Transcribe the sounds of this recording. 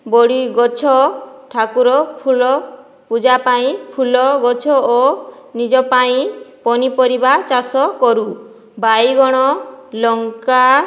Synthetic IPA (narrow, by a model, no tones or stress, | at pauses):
bɔɽiɡɔt͡ʃʰɔʈʰakuɾɔpʰulɔ | pud͡ʒapaĩpʰulɔɡɔt͡ʃʰɔonid͡ʒɔpaĩpɔnipɔɾibat͡ʃasɔkɔɾu | bajɡɔɽ̃ɔlɔŋka